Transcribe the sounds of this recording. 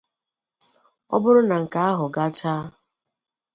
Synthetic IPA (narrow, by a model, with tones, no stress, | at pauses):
ɔ̰˦bʊ˦ɾʊ˦na˨ŋ̩˨ka˦a˦ɦʊ˨ɡa˦t͡ʃaː˦